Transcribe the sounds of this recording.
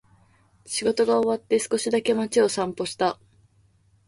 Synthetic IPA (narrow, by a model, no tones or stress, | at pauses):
ɕiɡo̞t̪o̞ɡaoβat̪ːe̞sɨ̥ko̞ɕid̪ake̞mat͡ɕio̞sãmpo̞ɕi̥t̪a